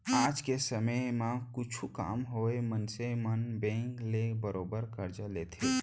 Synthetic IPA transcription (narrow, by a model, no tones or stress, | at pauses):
aːd͡ʒkesəməjmãkʊt͡ʃʰuka̰ːmɦoːemənsemənbẽːŋklebəɾoːbəɾkəɾd͡ʒaleːt̪ʰe